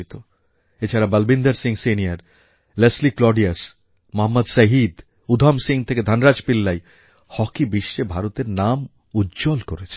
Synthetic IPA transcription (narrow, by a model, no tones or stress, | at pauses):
jt̪o | et͡ɕʰaɾabəlbind̪aɾsiŋseniaɾ | lesliklɔɾɖias | moɦamːad̪səɦid̪ | ud̪ʱamsiŋt̪ʰeked̪ʱanɾad͡ʑpilːaj | hɔkibiʃːebʱaɾot̪eɾnam | udːd͡ʑolkoɾet͡ɕʰe̥